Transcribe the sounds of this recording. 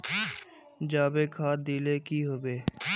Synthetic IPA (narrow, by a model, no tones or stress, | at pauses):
d͡ʒaːbeːkʰaːd̪iːleːkiɦoːbeː